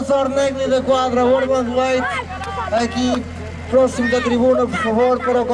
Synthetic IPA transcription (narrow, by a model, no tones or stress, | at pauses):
saɾnɛɡniðɐkwad̪ɾɐwoɾmɐ̃d̪wɐjt̪ | ɐki | pɾɔsimk̪ɐt̪ɾiβunɐpuɾfɐvoɾpɐɾok